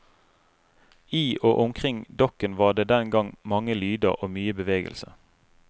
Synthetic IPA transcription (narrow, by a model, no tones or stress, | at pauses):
iːʔoːʔʊmkʰʁɪŋd̪ɔkənʋɑːʁd̪eːd̪ɛnɡɑŋmɑŋəlyːd̪əʁoːmyːəbəʋeːɡə̰lsə̰